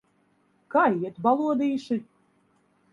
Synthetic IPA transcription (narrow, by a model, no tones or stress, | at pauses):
kajiɛt̪balˠuɔd̪iːʃɨ